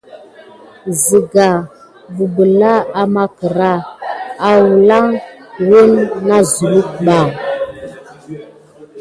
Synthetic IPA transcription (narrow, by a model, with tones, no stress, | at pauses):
zi˨ɡa˨ | vu˨bə˨la˦a˨ma˦kə˨ɾa˦˨a˨wu˨la˦ŋwə˦nːa˦zu˨lu˦k̚ɓa˨